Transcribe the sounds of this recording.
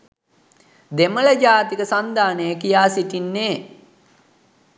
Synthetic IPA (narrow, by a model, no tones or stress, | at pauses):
d̪emələd͡ʒaːt̪ikəsand̪aːnəjəkijaːsiʈinːeː